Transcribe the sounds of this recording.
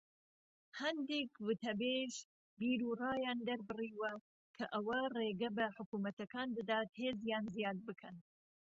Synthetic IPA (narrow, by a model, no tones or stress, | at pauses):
hɐnd̪eːkwɨt̪ɐbeːʒ | biːɾurɑːjɑːnd̪ɐɾbɨriːwɐ | kʰɐʔɐwɐreːɡɐbɐħʊkuːmɐt̪ɐkɑːnd̪ɐd̪ɑːt̪heːzjɑːnzijɑːd̪̚bɨkʰɐn